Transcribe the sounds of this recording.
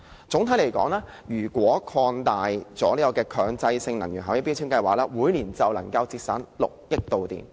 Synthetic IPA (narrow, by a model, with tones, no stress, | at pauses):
t͡sʊ˨˥ŋt̪ʰɐ˨˥jle˨˩jkɔ̰ː˨˥ŋlaː˥ | jyː˨˩kwɔː˨˥kʰɔː˧nt̪aː˨jt͡sɔ̰ː˨˥liː˥kɔː˧kɛː˧kʰœː˨˧ŋt͡sɐ˧jsɪ˧ŋnɐ˨˩jyː˨˩nɦaː˨wjɪ˥pːi˥t͡sʰyː˥ŋkɐ˧jwaː˨˩k̚laː˧˥wuː˨˥jliː˨˩nt͡sɐ˨wlɐ˨˩ŋkɐ˧wt͡siː˧t̚sa̰ː˨˥nlʊ̰˨k̚jɪ˥k̚t̪o˨wt̪ḭː˨m